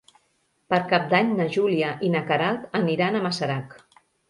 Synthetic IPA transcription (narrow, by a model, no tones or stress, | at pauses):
pəɾkap̚d̪aɲnəʒuliaʔinakaɾalˠt̪əniɾanəmasəɾak